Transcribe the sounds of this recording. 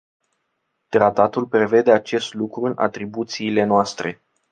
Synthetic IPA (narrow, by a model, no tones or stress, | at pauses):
t̪ɾat̪at̪ulpɾe̞ve̞d̪e̞at͡ʃe̞st̪lukɾuɨna̰t̪ɾibut̪siːle̞noast̪ɾe̞